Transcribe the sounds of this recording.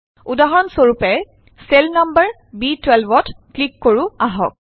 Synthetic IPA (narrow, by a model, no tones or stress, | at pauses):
udaɦɔɔnsoɹupɛ | selnambəɹ | bitwɛlbɔtklikːoɹʊaɦɔ̰k̚